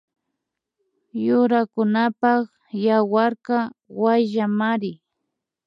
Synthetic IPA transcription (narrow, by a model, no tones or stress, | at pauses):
jʊɾakʊnapɑχ | jawaɾkawajʒamaɾɪ